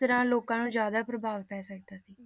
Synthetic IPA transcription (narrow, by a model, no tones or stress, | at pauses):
t̪əɾãːloːkãːnũːzjaːd̪aːpɾəbʱaːʋpɛːsək̚d̪aːsiː